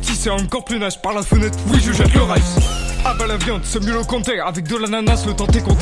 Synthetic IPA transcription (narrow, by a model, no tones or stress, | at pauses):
sisɛɔ̃kɔʁplynaʒpaʁlafunɛt̪wiʒəʒɛt̪ləʁajsabalavjɑ̃d̪sɛmølokɔ̃t̪eavɛk̚d̪əlananaslət̪ɑ̃t̪ẽkɔ̃d̪